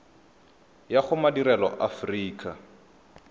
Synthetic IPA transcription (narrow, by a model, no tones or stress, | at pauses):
jaχʊmadiɾɛlɔ̰ʔafriːkʰʼa